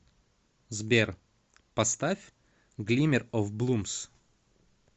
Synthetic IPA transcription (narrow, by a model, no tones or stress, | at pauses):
zbʲer | pɐst̪afʲ | ɡlʲimʲɪɾɔfblˠums